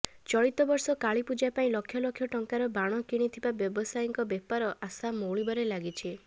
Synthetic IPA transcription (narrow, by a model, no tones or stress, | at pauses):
t͡ʃɔɭit̪ɔbɔɾsɔkaɭipud͡ʒapaĩlɔkʰjɔlɔkʰjɔʈɔŋkaɾɔbaɽ̃ɔkiɽ̃it̪ʰibabjɔbɔsajiŋkɔbepaɾɔʔasamowɭibɔɾelaɡit͡ʃʰi